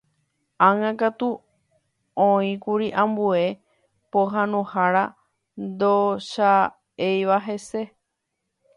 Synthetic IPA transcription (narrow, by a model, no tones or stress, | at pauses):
ãŋãkat̪u | õĩkuɾiʔãmbue̞ | poɦãnũhaɾa | nd̪oʃa | ejʋaɦe̞se̞